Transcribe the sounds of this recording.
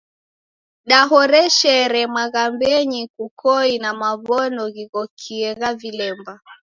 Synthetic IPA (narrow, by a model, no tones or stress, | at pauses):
ɗaɦɔɾɛʃɛɾɛmwaɣambɛɲikukʰɔinamaβɔnɔɣiɣɔkʰiɛɣavilɛmba